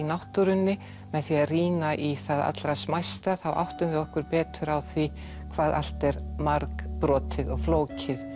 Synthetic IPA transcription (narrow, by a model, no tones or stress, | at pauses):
inawht̪uɾʏnːɪ | mɛðθiariːnaʔiθaða̰t̪lɾasmajst̪aθawʔa̰wht̪ʏmvɪðɔhkʏɾpɛːt̪ʏɾawθvi | kʰvaːðʔa̰l̥t̪ɛɾmaɾkpɾɔːt̪ʰɪðɔɣfloːwcɪð